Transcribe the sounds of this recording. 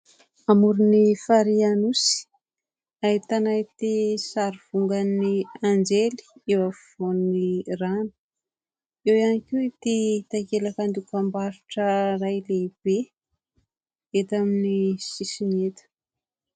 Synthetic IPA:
amuɾunifaɾianusi̥ | ait̪anajt̪esaɾiv̥uŋɡaniand͡ʒeli̥ewafvoniranu̥ | ewjanikewit̪et̪akelakand̪ukambaɾuʈ͡ʂərajleb̥e | et̪aminisisinet̪ə̥

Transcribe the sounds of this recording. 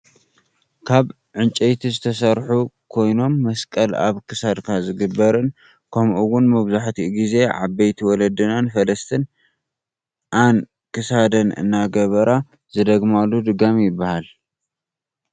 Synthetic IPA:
kʰaβ | ʕɨnt͡ʃʼejt̪ʰizɨt̪ʰɐsɐɾħukʰo̞jno̞mːɐskʼɐla̰βkʰɨsad̪kʰazɨɡɨbːɐɾɨn | kʰɐmʔuwʊnmɐβzaħt̪ʰiɡize̞ʕabejt̪ʰiwɔlɐd̪ɨnanfɐlɐst̪ʰɨn | ʔan | kɨsad̪ɐnɨ̰nːaɡɐβɐɾa | zɨd̪ɐɡmalːud̪ɨɡamjɪbːahal

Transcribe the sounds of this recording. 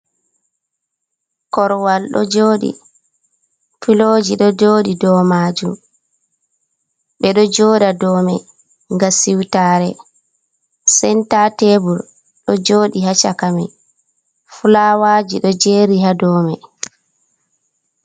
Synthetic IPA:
kɔɾwalɗɔ̰d͡ʒoːɗḭ | filod͡ʒiɗɔd͡ʒoːɗidɔːmaːd͡ʒum | ɓɛɗɔd͡ʒoːɗadɔːmɛ | ŋɡasiwtaːɾɛ | sɛntatebuɾ | ɗɔd͡ʒoːɗihat͡ʃakamɛ | fulawaːd͡ʒiɗɔd͡ʒeːɾihadɔːmɛ

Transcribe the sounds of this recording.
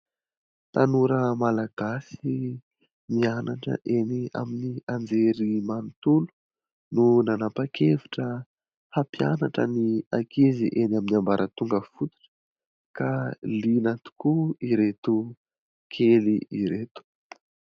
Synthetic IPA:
t̪anuɾəmalaɡ̥asi | mianaʈ͡ʂə̰ʔenia̰miniand͡zeɾimanit̪ulu̥ | nunanapakʰeviʈ͡ʂə | hapianaʈ͡ʂə̰niakiziʔenaminiambaɾʔət̪uŋɡəfut̪u̥ʈ͡ʂə̥ | kalinat̪u̥kuiɾet̪u | kʰeliʔiɾet̪u̥

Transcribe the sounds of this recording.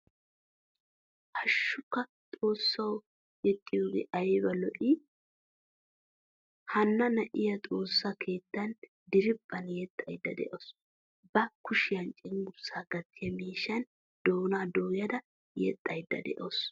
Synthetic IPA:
hɐʃːʊkːɐ | t̪ʼo̞ːsːɐw | ɛt̪ʼːɪjoːɡɛ̰ʔɐjbɐlɔʔɪ | hɐnːɐnɐʔɪjɐt̪ʼo̞ːsːakʰe̞ːt̪ːɐn | d̪ɪɾɪpʼːɐnjɛt̪ʼːɐjd̪ːɐd̪ɛ̰ʔos | bɐkʊʃɪjɐnt͡ʃʼɪŋɡʊɾsaːɡ̥ɐt̪ːɪjɐmiːʃɐn | d̪̥oːnaːd̪oːjɐd̪ɐ | jɛ̰t̪ʼːɐjd̪ːɐ̰d̪ɛ̰ʔoːs

